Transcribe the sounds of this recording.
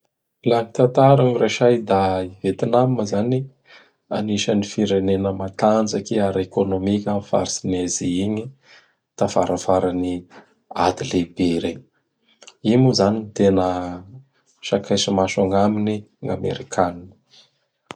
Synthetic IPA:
lanit̪ant̪aɾaŋireʃajd̪aivet̪inamməzani | a̰niʃənifiɾenenəmat̪and͡ʒakiaɾekonomikʲamifa̰ɾisineziiɲi | t̪afaɾəfaɾani | a̰d̪ilebeɾeɲ | imuzaninit̪enə | ʃakʰajsimaʃaŋamini | ŋa̰mḛɾikʰanini̥

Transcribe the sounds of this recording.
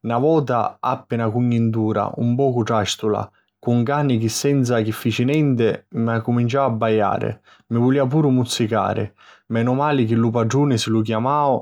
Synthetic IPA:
navɔːt̪a̰apːɪnakuɲːint̪uːɾa̰ṵmpɔːkʊʈɾaʃt̪ula̰ | kuŋkaːnikɪsːɛnt̪sak̟ifːit͡ʃinɛnt̪ɪmakːumint͡ʃawabːajːa̰ːɾɪ̰ | mɪvuliːap̬uːɾʊmut̪sːika̰ːɾɪ̰ | mɛnʊmaːlik̟ɪlup̬ad͡ʒuːnɪsɪluk̬jamaːo

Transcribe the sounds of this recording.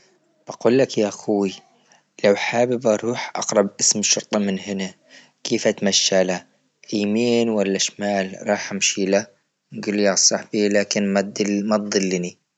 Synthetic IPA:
b̥aɡuːlːakjaʔaxʊwi | lawħaːbɪbʔɑɾˤuːħʔɑ̰qɾˤɑbʔɪsmɪʃːʊɾˤt̪ˤɑmɪnhɪna | kʰeːfʔat̪maʃːala | ʔaːmeːnwalːaʃmaːlɾˤɑːħʔamʃila | nɡuːljasˤɑħbilaːkɪnmmat̪̚d̪ˤɨlːni

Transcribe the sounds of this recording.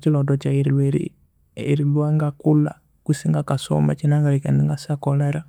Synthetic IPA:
t͡ʃilɔdɔt͡ʃaiɾɛɾḭ | iɾilwaŋɡakula̰ | kusiŋɡakasɔ̰ma̰t͡ʃinaŋɡalikɛndiŋɡasakɔlaɾa

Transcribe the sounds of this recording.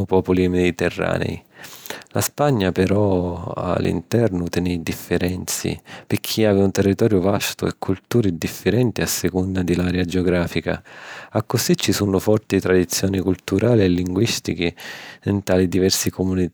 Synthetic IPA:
ʊpɔːpulimed̪it̪ɛrːa̰ːnɛ̰i | laspaɲːapɛɾɔa̰lːḭnt̪ɛrnʊt̪ɛnɛd̪ifːɪɾɛnt̪sḭpɪɾkʰːiaːvɪunt̪erːit̪ɔːɾjʊvast̪ʊɛ̰kʰːult̪uːɾid̪ifːɪɾɛnt̪iasːɪkund̪ad̪ɪlaɾɛad͡ʒeɔɡɾaːfika̰akːʊsit͡ʃːisunʊfɔrt̪it̪ɾad̪it̪sːjɔːnikult̪uɾʔaːliɛlːiŋɡwist̪ik̟int̪aːlid̪ivɛrsikʊmuni

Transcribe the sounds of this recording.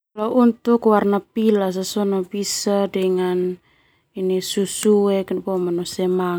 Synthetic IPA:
laʔunt̪ukwarnapilas̬asonabisadɛŋan | inisusuɛknpomanɔsɛma

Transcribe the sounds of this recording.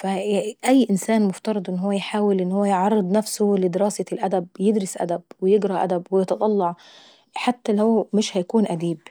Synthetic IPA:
fæʔæjːʔɪnsæːnmʊft̪ɑɾˤɑd̪ˤʔɪnːɦowːæjħaːwɪlʔɪnːhʊwːæjʕɑrˤːɨd̪ˤnæfsʊlɪd̪ɪɾɑːselʔæd̪æbjeɪd̪ɾɑsʔæ̰d̪æbwɪjɪɡɾˤɑʔæ̰d̪æbwɪjɪt̪ɑt̪ˤɑlːɑʕ | ħat̪ːælæwmɪʃhæjkuːnʔæd̪iːb

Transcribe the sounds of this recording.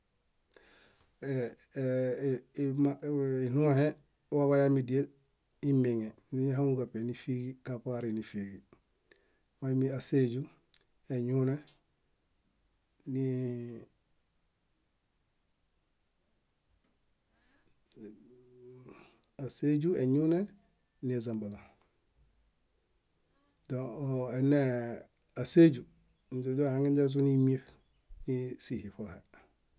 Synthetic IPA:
mainuhe | waβajamidiel | imiŋe | niɲehaŋuɡapenifiːɡikapaɾinifiːɡi | wamiaseɟu | eɲune | ni | ased͡ʒueɲune | niazambala | dõoene | ased͡ʒu | n̩d͡ʒud͡ʒohãŋɡind͡ʒes̬unimiɾ | nisihifohe

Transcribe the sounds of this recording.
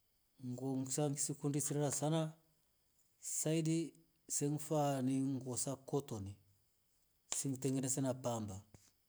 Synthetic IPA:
ŋɡɔŋsaŋɡisikundisiɾaɾasana | saidi | sɛŋfaniŋɡɔsakɔtɔni | siŋɡtɛŋɡɛnɛsɛnapamba

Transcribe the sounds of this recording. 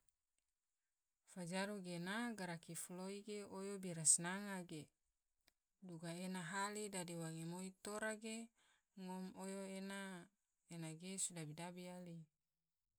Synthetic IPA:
fad͡ʒaɾuɡenaɡaɾakifloiɡeojobiɾasnaŋaɡe | duɡaenaɦalidadiwaŋemoit̪oɾaɡe | ŋomojoena | enaɡesudabidabiali

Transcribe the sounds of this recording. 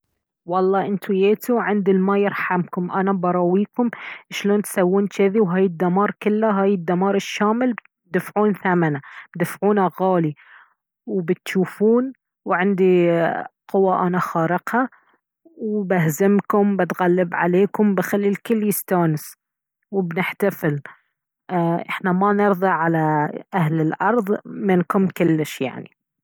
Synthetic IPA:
wɑlˤːɑːʔɪnt̪ujeːt̪uʕɪnd̪ilmajɪɾħamkʊmʔanabɑɾˤɑwiːkʊmʃloːnt̪sawːuːnt͡ʃɪðiwɦaːjɪd̪ːamɑːɾˤkɪlːaɦaːjɪd̪ːamɑːɾˤɪʃːaːmɪl | d̪afʕuːnθamanabd̪ɪfʕuːnaɣaːli | wbɪt̪ʃuːfuːn | wʕɪnd̪i | qʊwːaʔanaxɑːɾɪqha | wbahzɪmkʊmbɪt̪ɣalːɪbʕa̰leːkʊmbɪxalːilkʊlːjɪst̪aːnɪs | wɪbnɪħt̪afɪl | ʔʔɪħnamanɪɾðˤɑʕalaʔahlɪlʔɑɾˤðˤmɪnkʊmkʊlːɪʃja̰ʕnḭ

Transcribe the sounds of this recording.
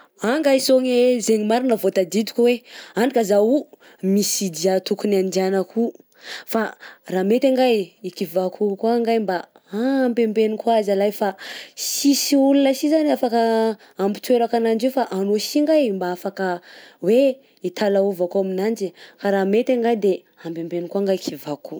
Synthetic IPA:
aŋɡajisoŋezeɲimaɾinəvot̪ad̪id̪u̥kʲuweanɖ͡ʐikazau | misid̪iat̪ukunand̪ianəkʰu | faraːmet̪aŋɡajikivakʰukwaŋɡajmba | ampembenikwazalajfasisiulunəsizanafakə | ambit̪weɾakanand͡ʒefaʔanosiŋɡajmbaafakəwe | it̪alauvakuaminand͡ʒikaɾaːmet̪aŋɡajd̪e | ambembenikuaŋɡajkivaku

